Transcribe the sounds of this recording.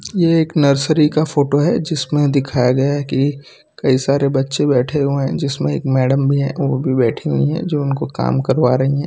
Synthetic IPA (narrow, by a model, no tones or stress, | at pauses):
jeeːknɐɾsəɾikafoːʈoɦɛd͡ʒɪsmẽd̪ɪkʰaːjaɡɐjaɦɛki | kɐisaːɾebɐtːʃẽbɛːʈʰeɦueɦɛ̃d͡ʒɪsmẽḛːkmɛːɖəmbʱiɦɛ̰̃ʋobʱibɛːʈʰiɦuĩɦɛ̰̃d͡ʒoːʊnkoka̰ːmkɐɾʋaːɾɐɦiɦɛ̃ː